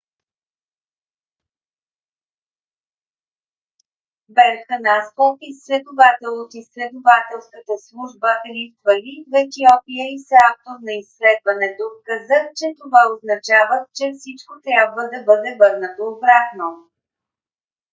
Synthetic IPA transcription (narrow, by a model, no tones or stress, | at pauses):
bɛɾxənast̪ofisːlɛd̪ovat̪ɛlˠot̪isːlɛd̪ovat̪ɛlˠskət̪əslˠuʒbəʔlift̪vəlivɛtiɔpiəisɛaft̪oɾnɐisːlɛd̪vɐnɛd̪ofkəzəxt͡ʃɛt̪ovaoznɐt͡ʃavət̪t͡ʃɛfsit͡ʃkot̪ɾʲabvəd̪ɐbɤd̪ɛvɤɾnət̪oːbɾakno